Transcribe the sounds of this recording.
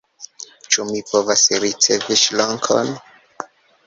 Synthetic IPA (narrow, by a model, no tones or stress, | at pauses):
t͡ʃumipovasɾit͡se̞viʃloŋkʰo̰n